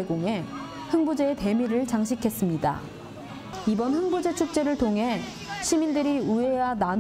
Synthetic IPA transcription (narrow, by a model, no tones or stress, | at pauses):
eɡoŋɦe̞ | hɯŋbud͡ʑe̞ːte̞miɾɯɭt͡ɕaŋɕʰikʰe̞s͈ɯmɲida̰ | ibʌnɸɯŋbud͡ʑe̞t͡ɕʰuk̚t͡ɕ͈e̞ɾɯɭtʰoŋɦe̞ | ɕʰimindɯɾiuejanan